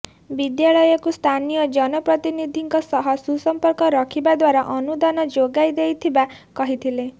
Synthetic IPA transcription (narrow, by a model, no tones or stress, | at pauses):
bid̪jaɭɔjɔkust̪ʰanijɔd͡ʒɔnɔpɾɔt̪inid̪ʱiŋkɔsɔɦɔsusɔmpɔɾkɔɾɔkʰibad̪waɾaʔɔnud̪anɔd͡ʒoɡajd̪ejt̪ʰibakɔɦit̪ʰile